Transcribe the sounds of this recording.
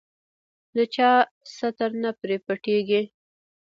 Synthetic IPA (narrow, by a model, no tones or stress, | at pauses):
d̪ət͡ʃɑ | sat̪aɾnapɾepəʈeɡi